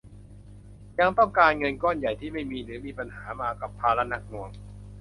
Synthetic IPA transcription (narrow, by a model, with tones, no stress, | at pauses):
ja˧ŋt̪ɔ˥˩ŋkaː˧nŋɤ˧nkɔː˥˩nja˨˩jt̪ʰiː˥˩ma˥˩jmiː˧ɾɯː˩˦miː˧pa˧nhaː˩˦maː˧ka˨˩pʰːaː˧la˦˥na˦˥k̚nu˧əŋ